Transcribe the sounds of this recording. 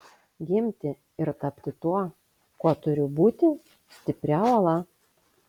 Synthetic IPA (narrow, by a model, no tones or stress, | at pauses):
ɡʲɪmʲt̪ʲɪ | ɪɾt̪ɐpʲt̪ʲɪt̪uɔ | kuɔt̪ʊɾʲʊbuːt̪ʲɪ | sʲt̪ʲɪpʲɾʲɛˑʊɐlˠɐ